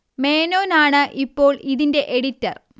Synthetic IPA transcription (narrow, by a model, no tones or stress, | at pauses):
me̞ːno̞ːnaːɳɨʔipːo̞ːɭiðinde̞ʔeɽitːɐr